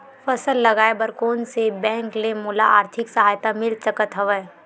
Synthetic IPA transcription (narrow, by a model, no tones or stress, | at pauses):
fɐsəlːɐɡaːebəɾkoːnsebɛ̃ːŋklemuːla̰a̰ːɾt̪ʰɪksɐɦaːjt̪amɪlt͡ʃɐkət̪ɦɐʋə